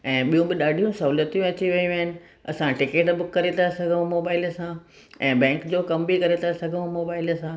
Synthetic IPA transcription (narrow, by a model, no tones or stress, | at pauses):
ɛ̃ːɓijũbɪɗaːɖʱijũsɐɦuːlət̪ijũɐt͡ɕiʋiĩũʋɦɪnɪ̆ | ɐ̰sãʈɪkeːʈbʊkːɐɾet̪ʰasɐɡʱəũmoːbaːɪlsã | ɛ̃ːbɛ̃ːŋkd͡ʑoːkɐmbikɐɾet̪asɐɡʱəʋũmoːbaːɪlsã